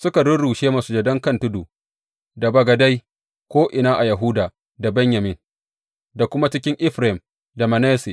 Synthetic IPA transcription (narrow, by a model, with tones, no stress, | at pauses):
sʊ˦ka˨ɽʊ˦ɽuː˨ʃeː˦ma˨su˦d͡ʒɛ˨dɐ˦ŋkɐ˦˨ntʊ˦duː˨ | da˨bɐ˨ɡɐ˨da˦j | kʷoː˦ʔɪ˨naː˦ʔa˨jɐ˨ɦʊː˦daː˨ | da˨bɛ˦ɲjɐ˨mɪ˨n | da˨kʷʊ˦ma˦t͡ʃɪ˦kʲɪ˦ŋʔɪ˦ɸɾm | da˨mɐ˨nɛː˦se˨